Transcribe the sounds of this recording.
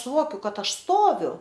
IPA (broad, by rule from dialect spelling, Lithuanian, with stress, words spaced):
sʊˈʋoːkʲʊ ˈkɐt ˈɐʃ ˈstoːʋʲʊ